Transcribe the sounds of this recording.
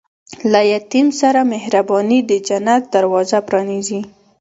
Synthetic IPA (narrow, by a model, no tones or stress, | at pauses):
lajat̪imsaɾamɪhɾabɑnid̪əd͡ʒanat̪̚d̪aɾwɑzapɾɑnizi